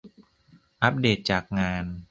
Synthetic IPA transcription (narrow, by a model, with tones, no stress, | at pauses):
ʔa˦˥p̚deː˨˩t̪̚t͡ɕaː˨˩k̚ŋaː˧n